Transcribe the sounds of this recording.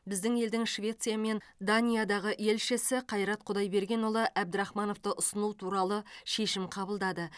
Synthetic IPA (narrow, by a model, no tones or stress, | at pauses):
bɪzd̪ɪŋe̞ld̪ɪŋʃvʲe̞t̪sijame̞nd̪anʲijad̪ɑʁəʔe̞lʃɪsɪqʰɑjɾɑt̪̚qʰʊd̪ɑjbe̞ɾɡʲe̞nwolˠəʔæbd̪ɪɾɑχmɑno̞ft̪əʔʊsənut̪ʰuɾɑlˠəʃe̞ʃɪmqʰɑbəlˠd̪ɑd̪ə